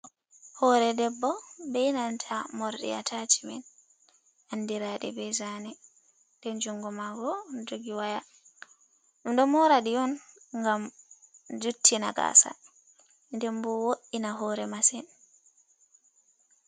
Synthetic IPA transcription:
hɔɾɛdɛbːɔbɛinantʰamɔɾɗḭa̰tʰat͡ʃi̥mɛn | anːdiɾaɗɛ̰bɛzanɛ | dɛnd͡ʒuŋɡɔmaɡɔndoɡiwaja | ndɔmɔɾaɗiɔn | ŋɡam | d͡ʒutːina̰ɡa̰sa̰ | ndɛmbɔwoʔinaɦɔɾɛmasɛn

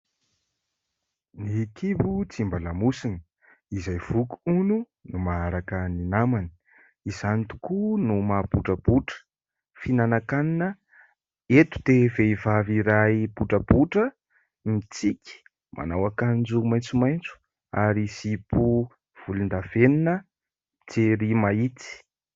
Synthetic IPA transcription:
nikʰibut͡simbalamusini | izajv̥uku̥unu | numaaɾakəninamani̥ | izanit̪u̥kunumab̥uʈ͡ʂəb̥uʈ͡ʂə̥ | finanakaninə | et̪u̥d̪eveivaviɾaib̥uʈ͡ʂəb̥uʈ͡ʂə | mit͡sikʲi̥ | mʔa̰nawakanind͡zumajnt͡sumajnt͡su̥ | aɾisipu | v̥ulind̪aveninə | t͡seɾimait͡s̪i̥

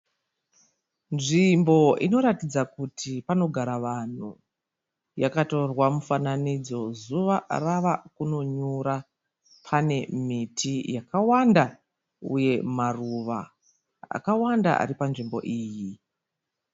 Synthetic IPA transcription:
nʐimbo̞ḭno̞ɾatid͡zakutʰipano̞ɡʱaɾaʋan̤u | jakato̞rwamufananid͡zo̞zuʋaraʋakuno̞ɲuɾa | pʰane̞mitʰijakawanda | ṵje̞maruʋa̰ | a̰kawanda̰ʔa̰ɾipanʐimbo̞̰ʔiːji

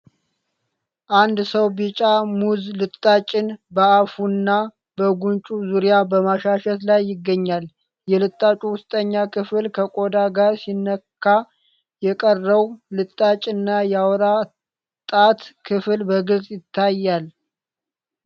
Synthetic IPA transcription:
ʔand̪səwbit͡ʃʼamuzlɨt̪ʼːat͡ʃʼɪnbəafunːa | bəɡunt͡ʃʼuzuɾijabəmaʃaʃɛt̪lajːɪɡːəɲːal | jɛlɨt̪ʼːat͡ʃʼuwʊst̪ʼəɲːakʰɨfɨlkʰəkʼod̪aɡaɾsinːəkʰːa | jɛkʼərːəwlɨt̪ʼːat͡ʃʼɨnːajawɾa | t̪ʼat̪kʰɨflbəɡɨlzʼjɪt̪ʰːajːal

